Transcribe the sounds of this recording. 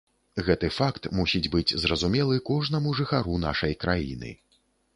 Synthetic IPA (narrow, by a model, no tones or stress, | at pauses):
ɣɛt̪ɨfakt̪musʲid͡zʲbɨd͡zʲzɾɐzumʲɛlˠɨkɔʐnɐmuʐɨxaɾuna̰ʂɐjkɾajḭnɨ̰